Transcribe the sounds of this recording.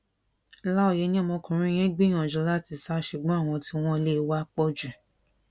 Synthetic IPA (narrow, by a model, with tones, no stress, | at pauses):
la˦o˦˨je˨˧˦nĩ˦ɔ˦˨mɔ̃˧kũ˨ɾ̃ĩ˦j̃ɛ̃˦ɡ͡bĩ˦˨ã˨d͡ʒɔ˨˦la˦˨ti˧sa˦ʃu˨ɡ͡bɔ̃˨˦˨w̃ɔ̃˧ti˧w̃ɔ̃˦˧le˦wa˦k͡pɔ˧d͡ʒu˨